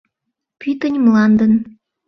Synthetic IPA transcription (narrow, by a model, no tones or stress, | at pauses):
pyt̪ənʲmlɑnd̪ən